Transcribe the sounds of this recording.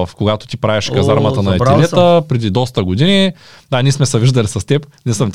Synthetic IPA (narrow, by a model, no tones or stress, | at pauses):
fkoɡat̪o̥t̪ipɾavɛʃkɐzaɾmɐt̪ɐnɐɛilɛt̪əpɾɛd̪id̪ɔst̪ɐɡod̪ini | d̪anismɛsɛviʒd̪ɐlisɐst̪ɛpnɛsəm